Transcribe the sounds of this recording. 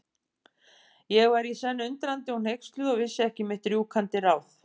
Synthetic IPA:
jɛɣɛɾisɛnːʏnt̪ɾant̪ɪunhejkst̪lʏðɔɣvɪsːɪɛhcɪmɪht̪ɾjukʰant̪ɪraːwθ

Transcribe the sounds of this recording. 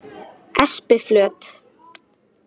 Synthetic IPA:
ɛspɪflœːt̪

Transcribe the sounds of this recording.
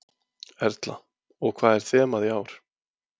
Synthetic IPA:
ɛɾt̪la | ɔɣkʰv̥aːðɛɾ̥θɛːmaðiaːwɾ̥

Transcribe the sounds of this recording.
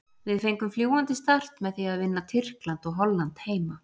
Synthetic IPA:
vɪðfejŋkʏmfljuːwant̪ɪst̪ar̥t̪mɛðθiaðvɪnːat̪ʰɪr̥klant̪ɔɣɦɔlːant̪heːjma

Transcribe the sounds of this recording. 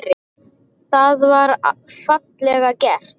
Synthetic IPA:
ɾɪ | θaðvaɾfat̪lɛɣacɛr̥t̪

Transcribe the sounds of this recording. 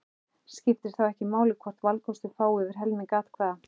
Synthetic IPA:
scɪft̪ɪɾ̥θawɛhcɪmaːwlɪkʰvɔr̥t̪valkʰɔst̪ʏfaːwʏvɪɾ̥ɦɛlmɪŋkaːt̪kʰvɛːða

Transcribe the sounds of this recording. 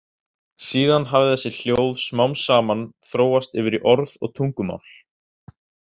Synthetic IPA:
siːðanɦavɪθɛsːɪl̥joːwðsmawmsaːmanθɾoːwast̪ɪːvɪɾiʔɔɾðɔ̰ɣt̪ʰuŋkʏma̰wl̥

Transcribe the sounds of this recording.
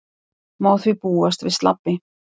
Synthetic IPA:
maːwθvipuːast̪vɪst̪la̰pːɪ

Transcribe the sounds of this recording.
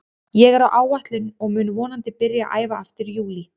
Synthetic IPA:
jɛɣɛɾawʔaːwvaht̪lɪnɔɣmʏːnvɔːnant̪ɪpɪɾjaʔa̰ːjvaaft̪ɪɾjuːli

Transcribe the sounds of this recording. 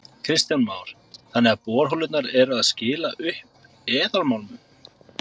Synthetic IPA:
kʰɾɪst̪janmaːwɾ̥ | θanːɛɣapɔːɾ̥ɦɔwlʏt̪naɾɛɾaðscɪːlaʔʏhp̚ | ɛːðaɾmawlmʏ

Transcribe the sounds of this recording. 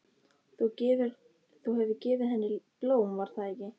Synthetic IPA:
θucɪðʏɾ | θuwhɛvðʏcɪːvɪðɦɛnːɪploːwmvaɾ̥θaðejcɪ

